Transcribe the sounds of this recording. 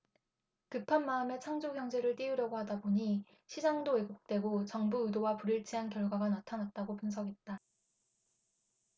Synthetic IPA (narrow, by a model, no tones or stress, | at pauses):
kɯpʰanmaɯme̞t͡ɕʰaŋd͡ʑoɦjʌŋd͡ʑe̞ɾɯɭt͈iuɾjʌɡoɦhadaboɲi | ɕʰid͡ʑaŋdoe̞ɡok̚t͈we̞ɡot͡ɕʌŋbuudowapuɾiɭt͡ɕʰiɦankjʌɭɡwaɡanatʰanat̚t͈aɡopunsʰʌɡɦe̞t̚t͈a